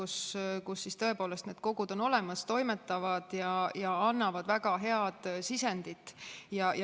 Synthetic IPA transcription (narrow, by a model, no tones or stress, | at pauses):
uskusːist̪ɤ̞e̞po̞ːle̞st̪ne̞ːd̪̥̚ko̞ɡ̥ud̪̥o̞no̞le̞mɑst̪o̞jme̞t̪ːˑɑvɑd̪̥jɑjɑɑnːɑvɑd̪̥væɡ̥ɑɦe̞ɑd̪̥sisend̪̥it̪ːˑjɑj